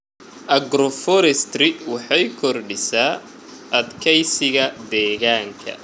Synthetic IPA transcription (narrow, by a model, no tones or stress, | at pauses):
ʔɐɡɾɔfɔɾɛst̪rɪwɑħɑjkʰɔrɖɪsaː | ʔɐd̪kʰɛjsɪɣɐd̪ɛːɣaːŋkʰɐ̰